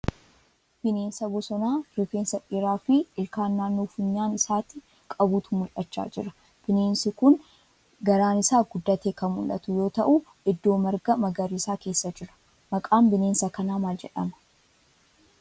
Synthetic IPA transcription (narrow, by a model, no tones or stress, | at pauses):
b̥ɪne̞ːnsɐbɔsɔnaːɾɪfeːnsɐᶑʼɪɾaːfɪɪlkaːnːaːnːoːfʊɲːaːnɪsaːt̪ɪ | kʼɐbuːt̪ʊmʊlʔɐt͡ʃːa̰ːd͡ʒɪ̰ɾɐ̥ | b̥ɪne̞ːnsɪkʊn | ɡɐɾaːnɪsaːɡʊd̪ːɐt̪eːkɐmʊ̰lʔɐ̰t̪ʊjo̞ːt̪ɐʔu | ɪd̪ːo̞ːmɐɾɡɐmɐɡɐɾiːsaːke̞ːsːɐd͡ʒɪɾɐ̥ | mɐkʼaːmbɪne̞ːnsɐkɐnaːmaːld͡ʒɛ̰ᶑɐ̰mɐ̥